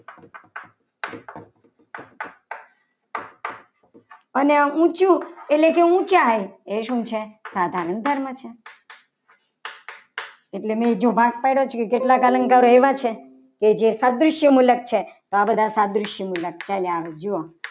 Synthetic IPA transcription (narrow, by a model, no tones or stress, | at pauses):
əneãʔũt͡ʃũeʈlekeũt͡ʃaɦəjeʃũt͡ʃʰesad̪ʱaɾənd̪ʱəɾmət͡ʃʰe | eʈlemẽd͡ʒobʱaɡ̚pəjɽot͡ʃʰokekeʈlakaləŋkaɾoeʋat͡ʃʰe | ked͡ʒesad̪ɾʊʃjəmulək̚t͡ʃʰet̪oabəd̪ʱasad̪ɾʊʃjəmulək̚t͡ʃaleaʋed͡ʒuo